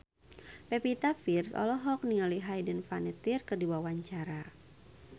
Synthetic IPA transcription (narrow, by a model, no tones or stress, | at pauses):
pɛpit̪afirsɔ̰lɔɦɔk̚niŋaliɦajdənfanɛt̪irkɨrdiwawaɲt͡ʃaɾa